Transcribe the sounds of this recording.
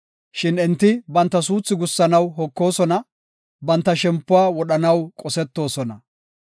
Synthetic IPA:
ʃɪnɪnt̪ːɪbɐnt̪ːɐs̬uːt͡sːɪɡʊsːɐnɐwɦɔkːo̞ːsɔnɐ | bɐnt̪ːɐʃɛmpːʊwaːwɔɗɐnɐwkʼɔsɛt̪ːo̞ːsɔnɐ

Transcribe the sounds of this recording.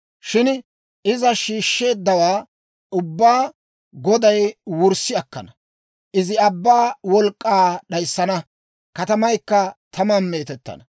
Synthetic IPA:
ʃɪn | ʔɪzɐʃiːʃːe̞ːd̪ːɐwaː | ʊbːaː | ɡɔd̪ɐjwʊɾsɪɐkːɐ̰nɐ | ʔɪzɪɐbːaːwɔlkʼːaːɗɐjsːɐnɐ | kɐt̪ɐmɐjkːɐt̪ʰɐmɐnme̞ːt̪ɛt̪ːɐ̰nɐ

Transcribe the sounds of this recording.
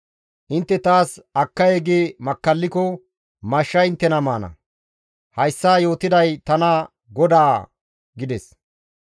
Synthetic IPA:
ʔɪnt̪ːɛt̪aːsɐkːɐjeɡeːmɐkːɐlːɪkɔ | mɐʃːɐɪnt̪ːɛnɐmaːnɐ̰ | hɐjsːaːjo̞ːt̪ɪd̪ɐjt̪ɐnɐ | ɡɔd̪aː | ɡɪd̪ɛs

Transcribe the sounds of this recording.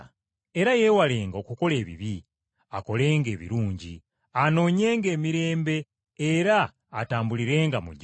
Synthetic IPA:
e̞ɾaje̞wale̞ːŋɡokuko̞le̞ːβḭβi | ako̞le̞ːŋɡe̞ːβḭɾuːɲɟḭ | ano̞ːɲe̞ːŋɡe̞ːmiɾe̞ːmbe̞ː | ɾaː | taːmbuliɾe̞ːŋɡamuɟ

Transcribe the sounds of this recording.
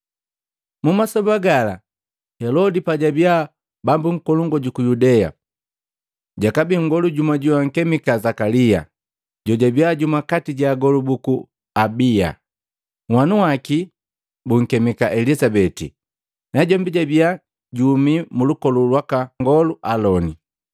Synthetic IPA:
mumasɔbaɡala̰ | hɛlɔdipaɟabia | bambuŋ̩kɔluŋɡɔɟukujudɛja̰ | ɟakabiŋɡɔluɟumaɟuwaŋ̩kɛmikazakalija̰ | ɟɔɟabiaɟumakatiɟaːɡɔlubuku | abia̰ | wanuwaki | buŋ̩kɛmikaʔɛlisabɛtḭ | naɟɔmbiɟabia | ɟumimulukɔlulwakaŋɡɔluʔalɔni

